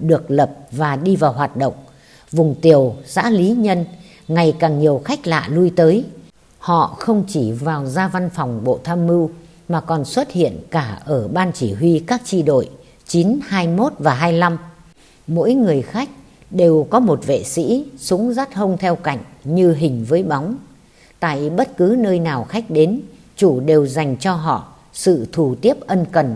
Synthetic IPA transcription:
ɗɨ˨˩ək̚lə˨˩p̚vaː˨˩ɗi˧vaː˨˩wɦwaː˨˩t̚ɗə̰˧˨wŋ͡m | vʊ˨˩ŋ͡mt̪i˨˩əwza̰ː˧˥li˨˦ɲə˧n | ŋa˨˩jkaː˨˩ŋɲi˨˩əwxa˦˥jk̟̚la̰ː˧˨lu˧jt̪əː˨˦j | hɔ̰˧˨xə˧wŋ͡mt͡ɕi˧˩vaː˨˩wzaː˧va˧nfɔ˨˩wŋ͡mɓo̰˧˨t̪ʰaː˧mːɨ˧w | maː˨˩kɔ˨˩nswə˦˥t̚hḭ˧˨ənkaː˧˩ʔəː˧˩ɓaː˧nt͡ɕi˧˩ɦwi˧kaː˦˥k̚t͡ɕi˧ɗo̰˧˩j | t͡ɕi˨˦nhaː˧jmo˦˥t̚vaː˨˩ɦaː˧jla˧m | mo̰˧˥jŋɨ˨˩əjxa˦˥jk̟̚ | ɗe˨˩wkɔ˨˦mo˨˩t̚vḛ˧˨sḭ˧˥su˨˦ŋza˦˥t̚ɦə˧wŋ͡mt̪ʰɛ˧wka̰˧˨jŋ̟ɲɨ˧ɦï˨˩ŋ̟vəː˨˦jɓa˨˦wŋ͡m | t̪a̰ː˧˨jɓə˦˥t̚kɨ˨˦nəː˧jnaː˨˩wxa˦˥jk̟̚ɗe˨˦n | t͡ɕu˧˩ɗe˨˩wza˨˩jŋ̟t͡ɕɔ˧ɦɔ̰˧˨ | sɨ̰˧˨t̪ʰu˨˩t̪i˦˥əp̚ʔə˧nkə˨˩n

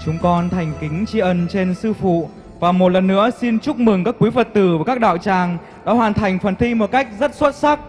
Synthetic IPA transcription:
t͡ɕʊ˨˦ŋ͡mkɔ˧nt̪ʰa˨˩jŋ̟kï˨˦ŋ̟t͡ɕi˧ʔə˨˩nt͡ɕe˧nsɨ˧fṵ˧˨ | vaː˨˩mo˨˩t̚lə˨˩nːɨ̰˧˥əsi˧nt͡ɕʊ˦˥k͡p̚mɨ˨˩ŋkaː˦˥kːwi˨˦və˨˩t̚t̪ɨ˨˩vaː˨˩kaː˦˥k̚ɗa̰ː˧˨wt͡ɕaː˨˩ŋ | ɗɔ˨˦ɦwaː˨˩nt̪ʰa˨˩jŋ̟fə˨˩nt̪ʰi˧mo˨˩t̚ka˦˥jk̟̚zə˦˥t̚swə˦˥t̚sa˦˥k̚

